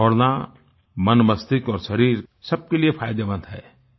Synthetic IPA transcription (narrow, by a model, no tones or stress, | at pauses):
ɔːɽna | mənmɐst̪ɪkɔːɾʃɐɾiːɾsɐb̚keliepʰaːjd̪eʋə̃nd̪ɦɛː